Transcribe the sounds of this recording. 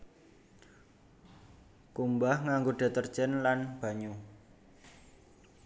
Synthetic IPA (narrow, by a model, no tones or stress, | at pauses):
kumbahŋaŋɡoɖ̥a̤t̪ər̥ʒ̥ənlanb̥ä̤ɲu